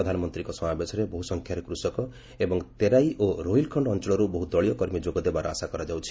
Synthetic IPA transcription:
ɔd̪ʱanɔmɔnt̪ɾikɔsɔmabesɔɾebɔɦusɔŋkʰjaɾekɾusɔkɔ | ebɔŋt̪eɾajʔoɾoilkʰɔɳɖɔnt͡ʃɔɭɔɾubɔɦuɔɭijɔkɔɾmjid͡ʒoɡɔd̪ebaɾɔasakɔɾad͡ʒawt͡ʃʰi̥

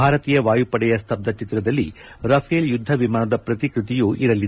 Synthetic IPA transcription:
aːɾɐt̪iːjɐʋaːjupɐɽɛjɐst̪ʰɐp̚d̪ɐt͡ʃit̪ɾɐd̪ɐlːḭ | ɾɐpʰɐjeljud̪ʱːɐʋimaːnɐd̪ɐpɾɐt̪ikɾut̪ijuʔiɾɐlːid̪

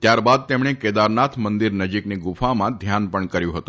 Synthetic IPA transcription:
t̪jaɾbad̪̚t̪emɳeked̪aɾnat̪ʰmənd̪iɾnəd͡ʒikniɡufamãd̪ʱjanpəɳkəɾjũɦət̪ũ̥

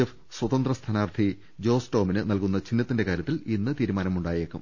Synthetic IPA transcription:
ef | swɐt̪ɐnd̪rɐst̪ʰɐnaːrt̪ʰi | d͡ʑo̞ːsto̞ːminɨnɐlkunːɐt͡ɕinːɐt̪ːinde̞kaːɾʲjɐt̪ːilinːɨt̪iːɾumaːnɐmuɳɖaːjeːkːum

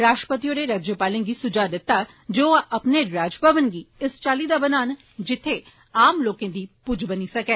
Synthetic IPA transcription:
ɾaːʃʈəpət̪ijoɾeɾaːd͡ʒjəpaːlẽɡiːsʊd͡ʒaːd̪ɪt̪ːa | d͡ʒoːʔəpneɾaːd͡ʒbʱəʋənɡiːɪst͡ʃaːliːd̪aːbənaːn | d͡ʒɪt̪ʰːe | aːmloːkẽːd̪iːpʊd͡ʒbəniːsəkɛː

